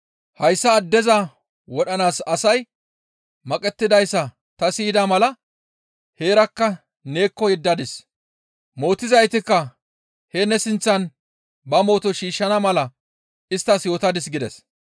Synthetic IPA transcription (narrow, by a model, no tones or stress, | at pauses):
hɐjsːɐːd̪ːɛzɐ | wɔɗɐnaːsɐsɐj | mɐkʼɛt̪ːɪd̪ɐjsːɐ | t̪ɐsiːd̪ɐmɐlɐ | he̞ːɾɐkːɐ | ne̞ːkːɔjɛd̪ːɐd̪ɪs | mo̞ːt̪ːɪzɐjt̪ɪkːɐ | hɛnɛsɪnt͡sːɐn | bɐmo̞ːt̪ɔʃiːʃːɐnɐmɐlɐ | ɪst̪ːɐsjo̞ːt̪ɐd̪ɪs̬ɡɪd̪ɛs